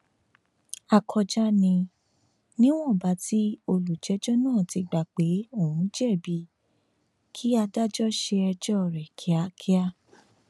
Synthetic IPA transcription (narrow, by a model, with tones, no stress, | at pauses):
a˨kʰɔ˧d͡ʒa˦nĩ˧ | nĩ˦w̃ɔ̃˦˨ba˨˦tʰi˦o˧lu˨d͡ʒɛ˨˦d͡ʒɔ˦nãː˦˨ti˧ɡ͡ba˨k͡pe˨˦o˦˨wũ˨˦d͡ʒɛ˦˨bi˧˦ | kʰi˦a˧da˦d͡ʒɔ˦ʃe˧ɛ˧d͡ʒɔ˦˨ɾɛ˨kʰi˨˦a˧˦kʰi˦a˦